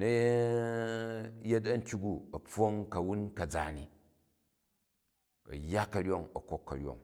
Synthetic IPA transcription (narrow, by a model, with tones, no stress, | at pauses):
nɐ˦je˦ | je˦t̬ɐ˦n̩˦tʲu˦ɡu˦ɐ˨p͡fo˦ŋkɐ˨wu˦nkɐ˨d͡za̰˨ni˨ | ɐ̰˨jːa˦kːɐ˨ɾʲo˦ŋɐ˨ko˦kːɐ̰˨ɾʲo̰˨ŋ